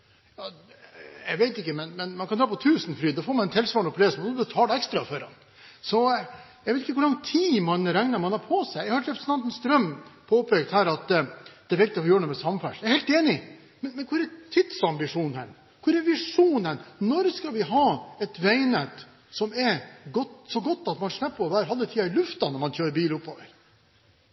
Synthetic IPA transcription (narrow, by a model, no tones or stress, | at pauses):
jɑː | jɛɡʋeɪt̪ɪkːəmɛnmɛnmɑnkʰɑnd̪ɾɑːpɔt̪ʰʉːsn̩fɾyːd̪ɑfoːɾmɑnɛnt̪ʰɛlsʋɑnʊpʰleːsmɔd̪ɔbət̪ʰɑːlɛɛkst̪ɾɑfɔɾɑ̰n | sɔjɛɡʋeɪt̪ɪkːəkʊlɑŋt̪ʰːiːmɑnɾɛŋnəɾmɑnɑɾpʰɔsæɪɛhɑʈ̪ɾɛpɾəsən̩t̪ɑnt̪n̩st̪ɾœmpʰoːpʰeːɡ̚t̪hæːɾɑt̪d̪̥ɛːɾɛɪk̚t̪ɪɔfɔɾjøːəɳumɛsɑmfæʂjæhɛɪlt̪eːnɪ | mɛnmɛnkʰʊɾɾɛt̪ʰɪd̪̥sɑmbɪʂuːnə̰n | kʰʊɾɾɛɾʋɪʂuːnənnɔɾskɑlʋɪɦɑːɛt̪ʋɛɪnət̪ | sɔmɛɾɡɔt̪sɔɡɔt̪ːɑt̪mɑnʂɳæpːɔɔbæːɾəɦɑlːət̪ʰiːɑɪlʉft̪ɑnɔɾmɑnçøːɾbiːlʊpːoːʋəɾ